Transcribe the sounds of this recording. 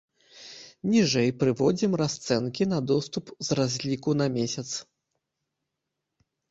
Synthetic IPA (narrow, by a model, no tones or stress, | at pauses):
nʲiʐɛjpɾɨvɔd͡zʲimrast̪sɛnkʲinɐd̪ɔst̪upzrazʲlʲikun̪ɐmʲesʲɐt̪s